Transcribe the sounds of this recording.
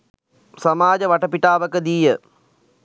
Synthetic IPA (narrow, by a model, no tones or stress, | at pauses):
samaːd͡ʒəʋɐʈəpiʈaːʋəkəd̪iːjə